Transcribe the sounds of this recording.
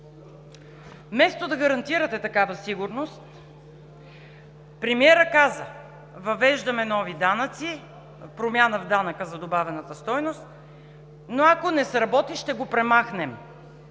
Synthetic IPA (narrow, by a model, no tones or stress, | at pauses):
mɛst̪od̪ɐɡɐɾɐnt̪iɾət̪ɛt̪ɐkavəsiɡʊɾnost̪ | pɾɛmiɛɾəkazə | vɐvɛʒd̪ɐmɛnɔvid̪anət̪si | pɾomʲjanəvd̪anəkəzɐd̪obavɛnət̪əst̪ɔjnost̪ | noakonɛsɾɐbɔt̪iʃt̪ɛɡopɾɛmaxnɛm